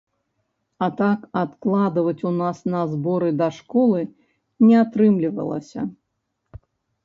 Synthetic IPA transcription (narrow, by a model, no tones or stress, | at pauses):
ɐt̪akat̪klˠad̪ɨvɐt͡sʲunasnɐzbɔɾɨd̪ɐʂkɔlˠɨ | nʲɛat̪ɾɨmlʲivɐ̰lˠɐ̰sʲɐ̰